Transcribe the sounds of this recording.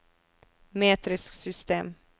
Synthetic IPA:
meːt̪ɾɪsksʏst̪eːm

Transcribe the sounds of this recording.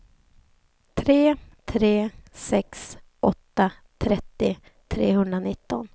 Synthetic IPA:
t̪ʰɾeːt̪ʰɾeːsɛksʔɔt̪ːat̪ʰɾɛt̪ːɪ | t̪ʰɾeːhɵnd̪ɾanɪt̪ːɔn

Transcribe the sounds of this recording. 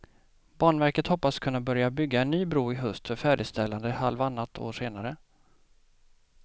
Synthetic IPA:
b̥ɑːɳvæɾkət̪hɔpːaskʰɵnːabœɾjabʏɡːaɛnːyːbɾuːɪɦɵst̪fœɾfæːɖɪst̪ɛlːand̪əhalvanːat̪ʰo̰ːʂeːnaɾə

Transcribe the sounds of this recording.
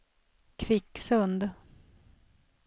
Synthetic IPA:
kʰvɪkːsɵnd̪

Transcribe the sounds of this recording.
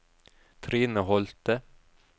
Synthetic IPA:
t̪ʰɾiːnəhɔlt̪ə

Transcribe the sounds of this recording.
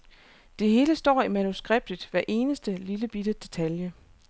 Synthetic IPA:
d̥e̝ɦe̝ːləsd̥ɒ̰ːimænusɡ̥ʁeb̥̚d̥əd̥ʋæɐʔe̝ːnəsd̥əliləb̥id̥əd̥e̝t͡sʰæljə

